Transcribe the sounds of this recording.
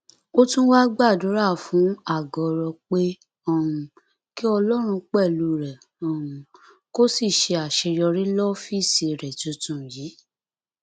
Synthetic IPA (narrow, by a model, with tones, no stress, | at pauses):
o˦tũ˦wa˦ɡ͡ba˦˨du˨˦ɾa˦˨fũ˨˦a˦˨ɡɔ˨ɾɔ˧k͡pe˦ | ɔ̃˨ũ˨ | ki˦ɔ˧lɔ˦ɾ̃ũ˧k͡pɛ˦˨lu˧˦ɾɛ˨ | ɔ̃˨ũ˨ | ko˦si˦˨ʃe˧a˨ʃe˧ɾjɔ˧ɾi˦lɔ˦fi˦˨si˨ɾɛ˨tũ˨˧tũ˨jiː˨˦